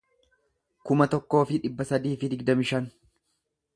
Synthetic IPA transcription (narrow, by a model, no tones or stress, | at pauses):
kʊmɐt̪ɔkːo̞ːfɪᶑɪbːɐsɐd̪iːfɪd̪ɪɡd̪ɐmɪʃɐn